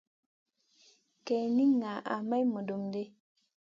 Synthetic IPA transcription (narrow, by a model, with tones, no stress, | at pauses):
ke˨ni˦ŋːa˨ʔa̰˨ma˦jmo˨do˨mde˦